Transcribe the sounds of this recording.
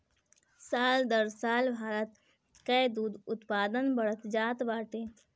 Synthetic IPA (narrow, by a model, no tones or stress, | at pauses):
saːld̪əɾsaːlbʱaːɾət̪ | kɛjd̪uːd̪ʊt̪paːd̪ənbəɽət̪d͡ʒaːt̪baːʈẽː